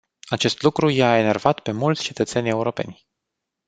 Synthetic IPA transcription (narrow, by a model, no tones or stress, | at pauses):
at͡ʃe̞st̪lukɾujaene̞rvat̪pe̞mult̪sʲt͡ʃe̞t̪ət̪se̞nʲe̞uɾo̞pe̞̰nʲ